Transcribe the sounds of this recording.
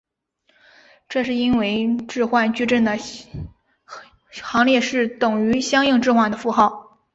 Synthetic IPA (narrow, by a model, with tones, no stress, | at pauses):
ʈ͡ʂɤ˥˧ʂɻ̩˥˩i˥nwe˧˥ɪʈ͡ʂɻ̩˥˧xwa˥˧nt͡ɕy˥˧ʈ͡ʂə˥˩nd̪ə˩ | xɑ˧˥ŋljɛ˥˧ʂɻ̩˥˩t̪ʊ˨˩ŋy˧˥ɕjɑ˥ŋi˥˧ŋʈ͡ʂɻ̩˥˧xwa˥˩nd̪ə˩fu˧˥xɑ˥˩ʊ